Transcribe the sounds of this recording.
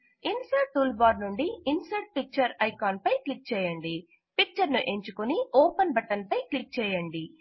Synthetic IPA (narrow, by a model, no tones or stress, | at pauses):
insɐɾʈːuːlbaːɾnuɳɖiinsɐɾʈ̚pik̚t͡ʃɐɾɐjkaːnpɐjklik̚t͡ʃɛːjɐɳɖi | pik̚t͡ʃɐɾnuʔe̞ɲt͡ʃukuniʔoːpɐnbɐʈɐnpɐjklik̚t͡ʃɛːjɐɳɖi